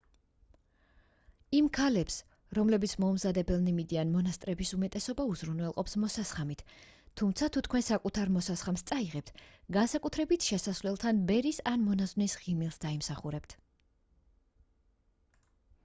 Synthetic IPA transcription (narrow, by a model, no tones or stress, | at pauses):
imkʰalɛps | ɾɔmlɛbit̪sʰmɔmzad̪ɛbɛlˠnimid̪ianmɔnast̪ʼɾɛbisumɛt̪ʼɛsɔbauzɾunwɛlˠqʼɔpsmɔsasχamit̪ʰːumt̪sʰat̪ʰut̪ʰkʰwɛnsakʼut̪ʰaɾmɔsasχamst̪sʼaiʁɛp̚t̪ʰɡansakʼut̪ʰɾɛbit̪ʰʃɛsasvlɛlˠt̪ʰanbɛɾisanmɔnaznisʁimilˠsd̪aimsaχuɾɛp̚t̪ʰ